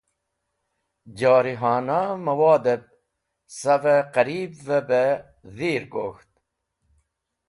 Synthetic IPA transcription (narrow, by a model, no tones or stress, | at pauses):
d͡ʑɑːɾiɦɑːnamɐwɑːd̪eb̚ | saveqæɾiːbvebe | ðiːɾɡoːxt̪̚